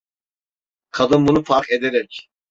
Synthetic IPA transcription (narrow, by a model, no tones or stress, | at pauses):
kʰad̪ɯmbunufaɾked̪eɾɛc